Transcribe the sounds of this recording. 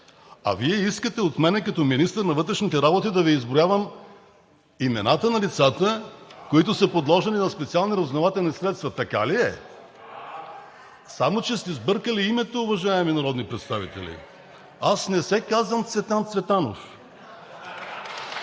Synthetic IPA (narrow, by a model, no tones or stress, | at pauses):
ɐ̰viɛiskət̪ɛot̪mɛnɛkɐt̪ɔminist̪əɾnɐvɤt̪ɾɛʃnit̪ɛɾabot̪id̪ɐviːzbɾojavəm | imɛnat̪ənɐlit̪sat̪əkoit̪ʊsəpod̪lˠɔʒɛlinɐspɛt̪sialˠniɾɐzvnɐvat̪ɛlˠnisɾɛt̪st̪vɐt̪ɐka̰liɛ | samot͡ʃɛst̪ɛizbɤɾkəliimɛt̪oːvɐʒaɛminɐɾɔd̪nipɾɛt̪st̪avit̪ɛ̰lḭ | asnɛsɛkazvəmt̪svɛt̪ant̪svɛt̪ano̰f